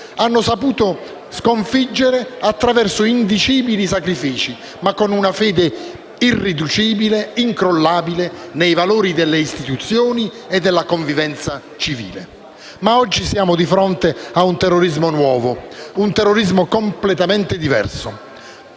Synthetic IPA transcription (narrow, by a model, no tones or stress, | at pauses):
anːʊsapuːt̪ʊ | skoɱfid͡ʒːeɾeat̪ːɾavɛrsʊind̪it͡ʃiːbilis̬akɾifiːt͡ʃi | makːonunafɛːd̪e | irːid̪ut͡ʃiːbileiŋkɾolːaːbilenejvaloːɾid̪elːeist̪it̪ut̪sːjoːni | ed̪ːelːakoɱvivɛnt̪sa | t͡ʃivḭːle | maɔd͡ʒːisjaːmʊd̪ifɾɔnt̪eaunt̪ɛrːoɾizmʊnwɔːvʊunt̪ɛrːoɾizmʊkomplɛt̪amɛnt̪ɪd̪ivɛ̰rsʊ